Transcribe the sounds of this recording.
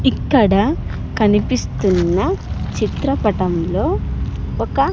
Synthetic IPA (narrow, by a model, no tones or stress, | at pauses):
ikːɐɽɐ | kɐnipist̪unːɐt͡ʃit̪ɾɐpɐʈɐmlo̞ːɔkɐ